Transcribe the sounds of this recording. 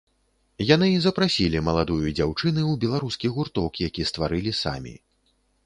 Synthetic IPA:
janɨizɐpɾasʲilʲimɐlˠad̪ujud͡zʲawt͡ʂɨnɨwbʲɛlˠaɾuskʲiɣurt̪ɔkjakʲist̪vaɾɨlʲisa̰mʲḭ

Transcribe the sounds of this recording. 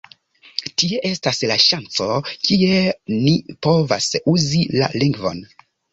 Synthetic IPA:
tie̞ʔe̞staslaʃant͡so̞kie̞nipo̞va̰suzila̰liŋɡvo̞̰n

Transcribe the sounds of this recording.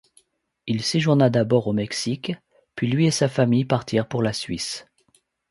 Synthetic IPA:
ilseʒuʁnad̪abɔʁomɛksik | pɥilɥiesafamijpaʁt̪ʰiʁpuʁlasɥis

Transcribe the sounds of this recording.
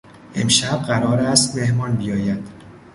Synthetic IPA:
ʔe̞mʃæb̚ɢæɾɒːɾæst̪me̞hmɒːnbijɒːjæd̪̥

